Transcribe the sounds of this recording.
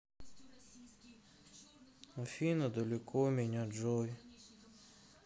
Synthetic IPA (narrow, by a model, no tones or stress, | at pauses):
ɔfʲinɔd̪ɔlʲɪkʰɔmʲinʲad͡ʒɔj